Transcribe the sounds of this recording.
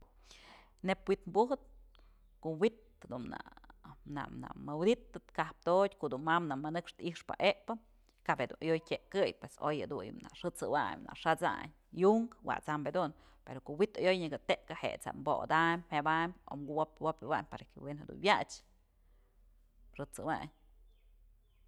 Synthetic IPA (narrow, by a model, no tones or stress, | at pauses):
nepwit̪mbuɦɨt̪̚ | koʔwit̪ | d̪una̰na̰ʔna̰ʔmɨwd̪it̪ːɨt̪kahp̚t̪odʲkoʔd̪unmamnaʔmanɨkʂt̪iʂpa̰ʔeʔpɨ | kaʔphed̪ṵnʔajojtʲeʔkɨjpweso̰jed̪uɲna̰ʂɨt͡sɨwa̰mna̰ʔʂat͡sa̰ɲ | juŋkwa̰ʔt͡sambed̪un | peɾokoʔwit̪ajojɲɨɡɨt̪eʔkahḛʔt͡sa̰mboʔd̪amʲhebamʲo̰mɡuwopwopawamʲpa̰ɾkewenhed̪ṵnwjat͡ʃ | ʂɨt͡sɨwaɲ